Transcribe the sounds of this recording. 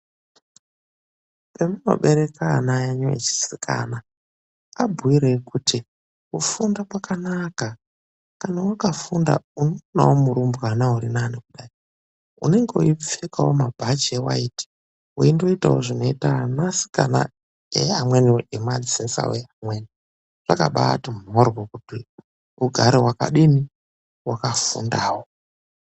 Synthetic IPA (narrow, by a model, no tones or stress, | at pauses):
pemuno̰ɓe̞ɾeka̰najeɲoḛt͡ʃi̥sikʰa̰na | abʱuiɾekutʰi | kufundapwakanaka | kanawakafunda̰unona̰womuɾumbukanauɾinanikuɗaːi | ṵne̞ŋɡeuip͡fekawomabʱad͡ʒewa̰iːti̥ | uindo̞itawoʐino̞itanasi̥kana̰ | eamweniemad͡zisensa̰weamweːni | ʐ̥aka̰ɓa̰tim̤oɾwokuti | uɡʱaɾewaka̰ɗini | wakafṵndaːwo